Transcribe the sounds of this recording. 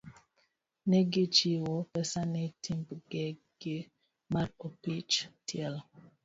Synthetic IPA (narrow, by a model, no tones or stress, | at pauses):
neɡet͡ʃiwopɛsanetʰimpɡe | ɡ̥e | maɾopit͡ʃtʰiɛl